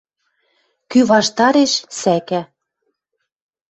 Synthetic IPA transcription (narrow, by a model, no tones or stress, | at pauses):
kyβɑʃt̪ɑɾeʃsækæ